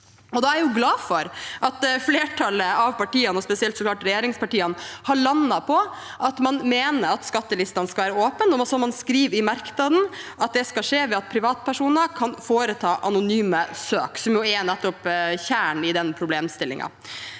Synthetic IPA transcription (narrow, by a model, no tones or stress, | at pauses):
ɔd̪ɑːæɾjʊɡlɑːfɔɾʔɑt̪fleːʈʰɑləɑʋpɑʈiːənɔspɛsɪɛlt̪sɔklɑːʈɾɛjeːɾɪŋspɑʈiːənhɑɭɑnːɑpʰɔ | ʔɑt̪mɑnmeːnəɾɑt̪skɑt̪ːəlɪst̪ɑnskɑʋæːɾəoːpənɔmɔsɔmɑnskɾiːʋɾɪmɑɾknɑd̪n̩ɑt̪̚d̪ɛskɑʂeːʋɛɑt̪̚pʰɾɪʋɑːt̪pʰæʂuːnəkʰɑnfoːɾət̪ʰɑːʔɑnʊnyːməsøːksɔmjʊɛnɛt̪ːɔpçæːɳɪd̪ɛnpʰɾʊbleːmst̪ɪlːɪ̰ŋɑ̰